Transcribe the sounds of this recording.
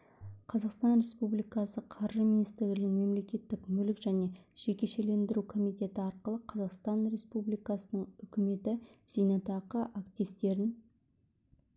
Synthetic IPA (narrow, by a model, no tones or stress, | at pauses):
qʰɑzɑqst̪ɑnɾe̞spublijkɑsəqʰɑɾʒəminist̪ɪɾɪnɪŋme̞mle̞kʲe̞t̪ːɪkmɵlɪkʒæne̞ʒ̥e̞kʲe̞ʃe̞le̞nd̪ɪɾukʰo̞mijt̪e̞t̪ɪɑɾqəlˠəqʰɑzɑqst̪ɑnɾe̞spublijkɑsənəɴʏkʲɪme̞t̪ɪz̥ijnɑt̪ɑqəʔakt̪ijvt̪e̞ɾɪn